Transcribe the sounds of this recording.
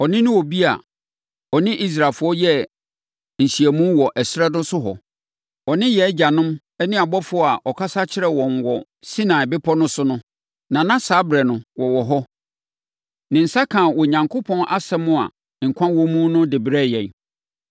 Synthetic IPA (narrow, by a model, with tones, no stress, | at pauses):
ɔ˨nɪ̃˦nʊ̃˦wɔ˨bi˦a̰˨ | ɔ˨nɪ̃˦ʔi˦s̬ɾa˨lfʊ˦ɔ˦jɛ˦ | n̩˨ɕi˨æ˨mũ˦wɔ˨ʔɛ˨sɾɛ˦dʊ̃˦sʊ˦ɦɔ̰˨ | ɔ˨nɪ̃˦jɛ˨˦d͡ʑa˨nʊ̃˦m | ɛ˦nɪ̃˦a˨bɔ˦fʊ˦ɔ˦a˨ʔɔ˨kʰa˦sa˦t͡ɕʰɪ˦ɾɛ˦˨wɔ̃˨nwɔ˨ | si˦nã˨ɪ˨bɪ˦pʰɔ˦nʊ̃˦sʊ˦nʊ̃˦ | nã˨nã˦saː˦bɾɛ˨nʊ̃˨wɔ˨wɔ˨ɦɔ˦ | nɪ̃˨n̩˨sa˦kʰãː˨wɔ˨ɲã˨ŋkʰʊ˦pʰɔ̃˦nʔa˦sɛ˦mʊ̃˦a̰˨ | ŋ̩˨kʷʰã˦nwɔ̃˦mũ˦nʊ̃˦dɪ˨bɾɛ˦˨jɛ̃˨n˨